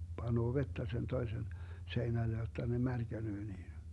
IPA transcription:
pɑnoː ʋetːæ sen toisen seinæle jotːɑ ne mærkænøː niːn̞

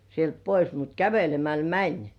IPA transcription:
sielt pois mut kæʋelemæl mænʲ

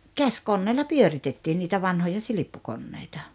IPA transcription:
kæskonːeːlːɑ pyøritetːiːn niːtæ ʋɑnhojɑ silipːukonːeitɑ

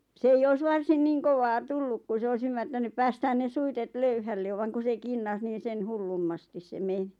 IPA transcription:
s ei ois ʋɑrsin niːŋ koʋɑː tulːuk ku s ois ymːærtænyp pæːstæːn ne suitet løyhælːe ʋɑŋ ku se kinːɑs niːn̞ sen hulːumːɑstis se meni̥

